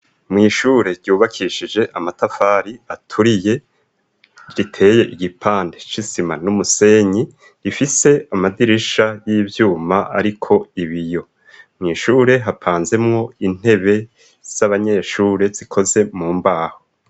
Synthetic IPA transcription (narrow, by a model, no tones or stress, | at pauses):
mŋiːʃuːɾe̞ɾɟuːβakʰiʃid͡ʒe̞ʔamatafaːɾiatʰuɾije̞ | ɾitʰe̞ːje̞ʔiɡipʰaːndet͡ʃisimanumuse̞ɲi | ɾifise̞amadiɾiʃajiːvjuːmaaɾikʰo̞iβijo̞ | mŋiːʃuːɾe̞ɦapʰaːnze̞mŋo̞in̥he̞βe̞ | z̥aβaɲe̞ːʃuːɾe̞z̥ikʰo̞ze̞muːmbaːho